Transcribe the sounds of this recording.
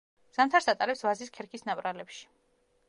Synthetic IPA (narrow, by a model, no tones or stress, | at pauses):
z̥amt̪ʰaɾsat̪ʼaɾɛpsvaziskʰɛɾkʰisnapʼɾalɛpʃi̥